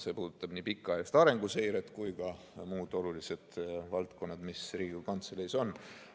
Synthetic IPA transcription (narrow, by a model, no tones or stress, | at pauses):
se̞ːpuːd̪̥ut̪ːˑɑb̥niːpikˑːɑjust̪ɑɾe̞ŋɡ̥use̞jɾet̪ːˑkujkɑ | muːd̪̥o̞lulise̞d̪̥vɑlt̪ko̞nːɑd̪misriːɡukɑnt̪selejso̞n